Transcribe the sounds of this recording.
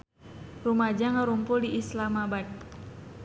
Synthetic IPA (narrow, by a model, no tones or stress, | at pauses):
rumad͡ʒaŋəɾumpʊldiʔislamabat̪̚